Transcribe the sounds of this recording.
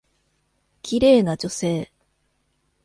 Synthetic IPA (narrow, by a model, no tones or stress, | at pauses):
kʲiɾe̞ːnad͡ʑo̞se̞ː